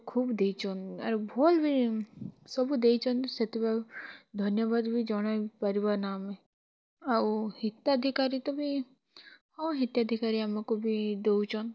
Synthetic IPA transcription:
kʰuːbd̪eit͡ʃʰɔna̰ɾbʱolbʱi | sɔbud̪et͡ʃʰɔnset̪ibad̪ʱɔnjɔbad̪bʱid͡ʒɔɽ̃ajpəɾibaɾnamẽ | ahit̪ad̪ʱikaɾit̪ɔbʱi | hɔ̃ɦit̪jad̪ʱikaɾiamakubʱid̪ewt͡ʃʰɔn

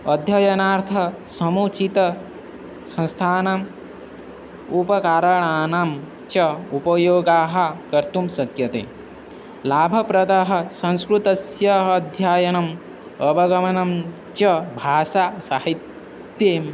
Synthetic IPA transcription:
ɐd̪ʱjɐjɐnaːɾt̪ʰɐ | sɐmuːt͡ʃit̪ɐ | sɐ̃nst̪ʰaːnam | upɐkaːɾɐɳaːnam | t͡ʃɐupɐjoːɡaːɦɐ̆kɐɾt̪umsɐkjɐt̪ḛː | laːbʱɐpɾɐd̪aɦɐ̆sɐ̃nskɾut̪ɐsjɐɦɐd̪ʱjaːjɐnɐm | ɐbʱɐɡɐmɐnɐm | t͡ʃɐbʱaːʃaːsaːhit̪ | jeːm

